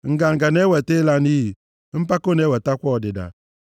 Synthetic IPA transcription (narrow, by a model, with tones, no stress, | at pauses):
ŋ̩˨ɡa˨ŋ̩˨ɡa˨ne˦wɛ˨te˦la˦ni˦˨ | m̩˦pa˦ko˦ne˦wɛ˨ta˦kʷɔ˦˨dɪ˨da̰˨